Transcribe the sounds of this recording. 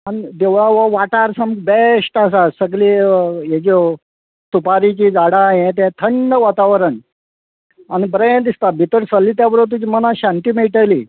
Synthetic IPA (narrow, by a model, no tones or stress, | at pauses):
anid̪eʋɭaʋəʋaʈaɾsəmɡbeʂʈasasəɡlijed͡ʑɔ | t̪upaɾit͡ɕiːd͡zaɽajẽt̪̬ɛ̃t̪ʰəɳːəʋat̪aʋəɾəɳ | anibɾẽd̪ist̪abʱit̪əɾsəlːiːt̪̬jabəɾət̪̬ːud͡ʑimənaɕãnʈ̪imeʈali